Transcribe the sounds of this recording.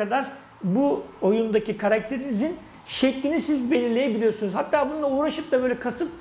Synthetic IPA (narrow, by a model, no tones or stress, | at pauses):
ad̪aɾ | buo̞jund̪acʰikʰaɾak̚t̪ʰe̞ɾinizin | ʃɛclʲinisizbe̞lʲiɾlʲe̞jɛbilʲijo̞ɾsunuzhat̪ʰːaːbunulˠauːɾaʃɯp̚d̪abøːjlʲɛkʰasɯp̚